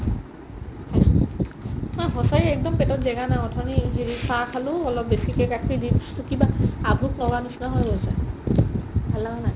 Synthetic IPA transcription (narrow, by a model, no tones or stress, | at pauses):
a | maɦɔsajiɛk̚dɔmpɛtɔtzɛɡanaɔtʰɔniɦeɹisakʰaluɔlɔp̚besikɛkakʰidi̥stukibaabʱuk̚nɔɡanusnaɦɔjɦosa | bʱalaana